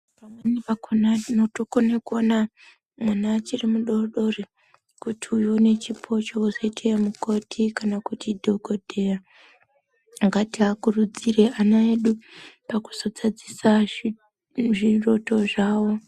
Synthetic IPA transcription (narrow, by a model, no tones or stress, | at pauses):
pamwanipakonainotokonekuona | mwanaːt͡ʃirimuɗo̞rɗo̞re | kutʰiujone̞t͡ʃipʰo̞t͡ʃouzoitʰeemuko̞tʰikanakutʰidʱo̞ɡʱo̞dʱe̞ja | ŋɡatiɦakurud͡zire̞anaeɗupaku̥zo̞d͡zad͡zisa | ʐiro̞to̞ʐaːwo̞